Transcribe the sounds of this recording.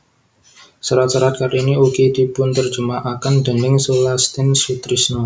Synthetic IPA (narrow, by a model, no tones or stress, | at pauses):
səɾat̪̚t͡ʃaɾat̪̚kaɾiniukid̪ipʊnt̪ərd͡ʒumaʔakand̪ənɪŋsolast̪ɪnsut̪ɾisno